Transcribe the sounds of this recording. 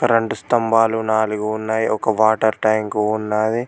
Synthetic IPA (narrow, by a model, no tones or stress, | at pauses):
kɐɾeɳɖust̪ɐmbaːlunaːluɡuːnːaːjiɔkɐʋaːʈɐɾʈɐjŋkuːunːaːd̪i